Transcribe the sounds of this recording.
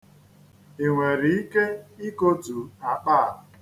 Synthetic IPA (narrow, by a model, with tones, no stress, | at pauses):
e˨ŋʷe˨ɾi˨i˦ke˦i˦ko˦tu˨a˨k͡pa˦˨